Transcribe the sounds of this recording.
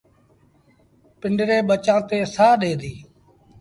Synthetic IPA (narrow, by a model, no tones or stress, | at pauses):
pɪɳɖɾeːɓət͡ʃãːt̪eːsaːɗeːd̪iː